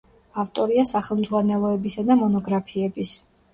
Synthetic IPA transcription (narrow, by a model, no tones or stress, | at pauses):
aft̪ʼɔɾiasaχɛlˠmzʁwanɛlˠɔɛbisad̪amɔnɔɡɾapʰiɛbis